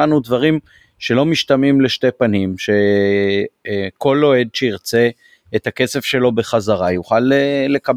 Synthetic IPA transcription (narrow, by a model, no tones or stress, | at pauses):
anud̪vaʁim | ʃe̞lo̞miʃtamimle̞ʃte̞panimʃe̞ | ko̞lːo̞e̞d̪ʃeiʁt͡se | et̪hake̞se̞fʃe̞lo̞be̞χazaʁajuχalele̞kab